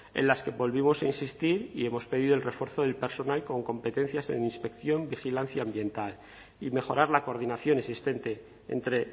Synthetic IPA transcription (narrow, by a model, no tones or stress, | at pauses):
e̞̰nlaske̞βo̞lβimo̞sainsist̪iɾie̞mo̞spe̞ðiðo̞lre̞fwe̞ɾθo̞ðe̞lpe̞ɾso̞nalko̞ŋko̞mpe̞t̪ẽ̞n̟θjasḛninspe̞kθjo̞mbixilan̟θjaːmbje̞nt̪al | ime̞xo̞ɾaɾlako̞ɾð̞inaθjo̞ne̞sist̪e̞nt̪e̞ | ḛnt̪ɾe̞